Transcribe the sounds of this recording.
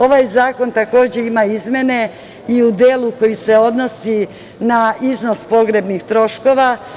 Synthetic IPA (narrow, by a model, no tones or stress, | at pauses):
o̞ʋajzaːko̞nt̪ako̞ːd͡ʑe̞imaizmʲje̞ne̞ | iud̪eːlˠuko̞jise̞o̞d̪no̞si | naizno̞spo̞ɡɾe̞bnixt̪ɾo̞ʃko̞ʋa